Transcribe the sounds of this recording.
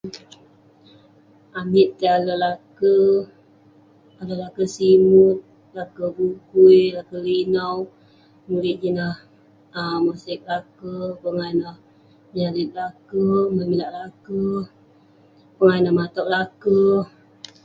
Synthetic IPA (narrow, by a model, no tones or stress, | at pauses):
amit̪̚kialəlakə | aləlakəsimut̪̚ | lakəɡuɡujlakəlinaw | mulɪʔ̪̚d͡ʒinah | əmasɪk̚lakəpəŋajnah | məɲaɾɪt̪̚lakəməmilaʔlakə | pəŋanahmat̪ɔʔ̚lakə